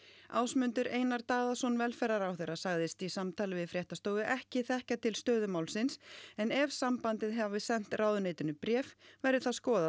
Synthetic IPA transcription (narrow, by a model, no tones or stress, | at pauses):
aːwsmʏnt̪ʏɾʔeːjnaɾt̪aːðasɔnvɛlfɛɾaɾawθejrːasaɣðɪst̪isamt̪ʰaːlɪvɪðfɾjɛht̪ast̪oːwðɪʔɛhcɪθɛhcat̪ʰɪlst̪œːðʏmaːwlsɪnsɛnɛvsampant̪ɪðɦɛvavɪsɛn̥t̪raːwðʏneːjt̪ʏnʏpɾjɛːfvɛɾðɪθaðskɔːða